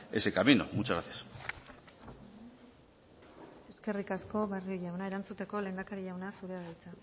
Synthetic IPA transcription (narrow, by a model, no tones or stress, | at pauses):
esekamino̰mut͡ʃaɣat̪es | e̞ske̞rikasko̞βarioʝawnae̞ɾant͡sut̪e̞ko̞le̞ːnd̪akaɾiʝawnasuɾeɣajt͡sa